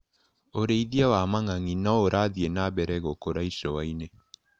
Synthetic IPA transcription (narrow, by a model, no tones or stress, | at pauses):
oɾeiðiawamaŋaŋinɔoɾʔaðienaβɛɾɛɣokoɾaisɔwaine